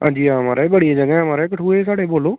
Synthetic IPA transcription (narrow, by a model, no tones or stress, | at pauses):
ɦã̰ːd͡ʒiːaːəmaːɾeːbəɽiaːd͡ʒəɡɛ̃ːəmaːɾeːkəʈʰuːeːsaːɽeːboːloː